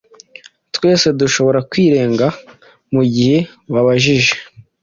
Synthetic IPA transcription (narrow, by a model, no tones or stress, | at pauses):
twe̞ːse̞duʃo̞βo̞ɾakwiːɾe̞ːŋɡa | muɟihe̞βaβaʒiʒe̞̥